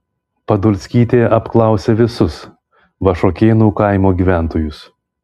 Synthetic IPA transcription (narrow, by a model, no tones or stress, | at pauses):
pɐd̪ʊlʲsʲkʲiːt̪ʲeːɐpklˠɐˑʊsʲeʋʲɪsʊs | ʋɐʃoːkʲeːnuːkɐˑɪmoːɡʲiːʋʲæˑnt̪oːjʊs